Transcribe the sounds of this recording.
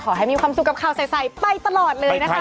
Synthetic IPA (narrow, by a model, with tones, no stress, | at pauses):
kʰɔː˩˦ɦa˥˩jmiː˧kʰwaː˧msu˨kːa˨˩p̚kʰaː˨˩wsa˨˧˩jsa˧˩jpa˧jt̪a˧lɔː˨˩t̪̚lɤː˧jna˦˥˦